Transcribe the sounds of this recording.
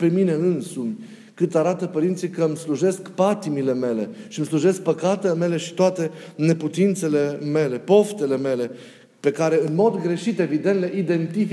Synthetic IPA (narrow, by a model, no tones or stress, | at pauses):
pe̞mine̞ɨnsumʲ | kɨt̪aɾat̪əpəɾint̪sijkəmsluʒe̞skpat̪imile̞me̞le̞̰ʃimsluʒe̞sk̚pəkat̪e̞leme̞le̞ʃi̥t̪oat̪e̞ne̞put̪int̪se̞le̞me̞le̞po̞ft̪e̞le̞me̞le̞ | pe̞kaɾe̞ɨnmo̞d̪ɡɾe̞ʃit̪e̞vid̪ent̪le̞id̪e̞nt̪if